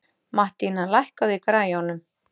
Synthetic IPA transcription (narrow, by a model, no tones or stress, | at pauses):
maht̪inalajhkaðikɾaːjɔnʏm